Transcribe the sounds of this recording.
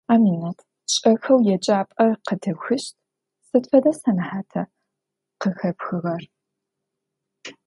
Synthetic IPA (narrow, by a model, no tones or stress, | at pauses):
aːmiːnɐtʰ | ɕʼɐxɐwjɛt͡ʃʼaːpʼɐqədʰɨxɨʃtʰ | sɨtfɐdɐsɐnɨħaːtʰɐ | qəxɐpxɨʁɐr